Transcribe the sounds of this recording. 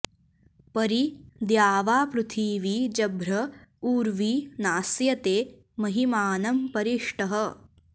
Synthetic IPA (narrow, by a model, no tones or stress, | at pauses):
pɐɾid̪jaːʋaːpɾut̪ʰiːʋiːd͡ʒɐbʱɾɐuːɾʋiːnaːsjɐt̪eː | mɐɦimaːnɐmpɐɾiʂʈɐɦɐ